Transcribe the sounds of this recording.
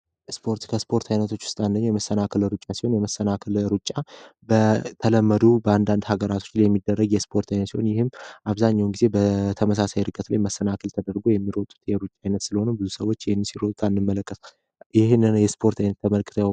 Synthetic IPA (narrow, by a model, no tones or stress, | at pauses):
spʰo̞ɾt̪kʰəspʰo̞ɾt̪ʰajnət̪ʰo̞t͡ʃːʊ̥st̪ʼand̪əɲːjɛməsːənakʰəlɾut͡ʃʼːasi̥ho̞njɛməsənakʰəlɾut͡ʃʼːabət̪ʰələmːəd̪ubəand̪and̪haɡəɾat̪ʰo̞t͡ʃːlajɛmːid̪ːərːəɡjɛspʰo̞ɾt̪ʰajnət̪sihonjɪhɨmːʔaβzaɲːawnɡize̞bət̪ʰəməs̬asajɾɨkʼːət̪lajməsːənakʰəlt̪ʰəd̪əɾɡo̞jɛmːiɾot̪ʼːu̥t̪jɛɾut͡ʃʼːaajnət̪sɨləhonəbɨzusəwːo̞t͡ʃːɪhnɨnsiɾot̪ʼt̪ʼanːɨmːələkʼːəs | jɪɦnːɨnjɛspʰo̞ɾt̪ʰajnət̪ʰːəməlkʰʼɨ̥t̪ʰja